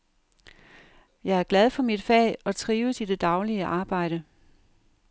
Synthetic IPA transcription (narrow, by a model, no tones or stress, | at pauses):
jɑ̈ɪæɐɡ̥læð̞ˠfɒ̽mid̥fɛ̰ɒ̽t͡sʰʁiːʊəsid̥e̝d̥ɑ̈ʊliəʔɑ̈ːb̥ɑ̈ɪ̰ɾ̥ə